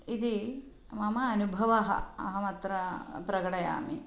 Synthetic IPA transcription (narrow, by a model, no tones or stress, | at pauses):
id̪i | mɐmɐɐnubʱɐʋɐɦɐ̰ɐ̰ɦɐmɐt̪ɾɐpɾɐɡɐɽɐja̰ːmi